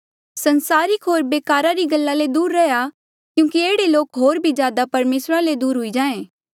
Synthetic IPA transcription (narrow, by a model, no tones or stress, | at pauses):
sɐnsaːɾɪkɦoːɾbeːkaːɾaɾiɡɐlːaled̪uːɾːɛja | kjũːkieːɽeloːkɦoːɾbʱid͡ʒjaːd̪apɐɾmeːsɾaled̪uːɾɦʊid͡ʒãːẽː